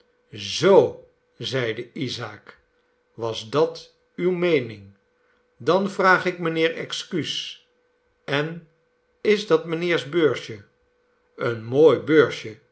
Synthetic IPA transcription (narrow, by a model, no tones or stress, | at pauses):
zow | zɛjdəizaːk | ʋɑzdɑt | ywmejnɪŋ | dɑnvraːχɪk̚mənɪːɹɛ̰kskys | ɛn | ɪzdɑtmənɪːɹzbøːɹʃə | ənmoːjbøːɹʃə